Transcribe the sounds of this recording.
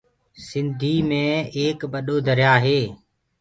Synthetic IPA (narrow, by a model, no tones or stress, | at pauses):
sɪnd̪ʱiːmẽːeːkbəɗoːd̪əɾjaːɦeː